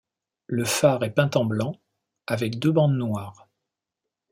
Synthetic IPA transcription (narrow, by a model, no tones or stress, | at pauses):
ləfaʁɛpɛ̃t̪ɑ̃blɑ̃ | avɛkd̪øbɑ̃d̪nwaːʁ